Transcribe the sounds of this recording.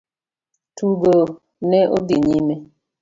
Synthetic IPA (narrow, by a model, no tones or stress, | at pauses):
tuɡo | nɛʔodiɲimɛ